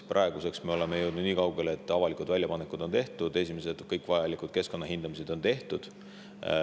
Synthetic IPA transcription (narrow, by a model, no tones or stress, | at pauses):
prʔɑe̞ɡ̥use̞ksme̞o̞le̞mejɤwd̪nud̪niːkɑwɡelet̪ːˑɑvɑlikud̪vælʲːjɑpɑnekːˑud̪̥o̞nt̪e̞ht̪ud̪̥e̞sʲime̞se̞d̪̥kɤjkːˑvɑjɑlikud̪̥ke̞sko̞nːɑɦind̪̥ɑmis̬e̞d̪̥o̞nt̪e̞ht̪ud̪̥